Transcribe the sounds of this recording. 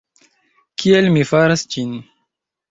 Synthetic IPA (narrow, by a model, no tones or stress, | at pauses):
kʰielmifaɾasd͡ʒin